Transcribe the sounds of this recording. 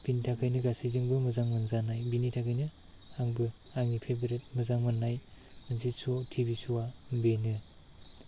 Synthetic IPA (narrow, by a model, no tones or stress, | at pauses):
b̥initʰakʰɯjnɯɡasiziŋbɯmɯzaŋmɯnzanajbinitʰakʰɯjnɯ | aŋbɯ | aŋipʰebeɾet̚mɯzaŋmɯnːaj | mɯnsisotʰibisuwambenɯ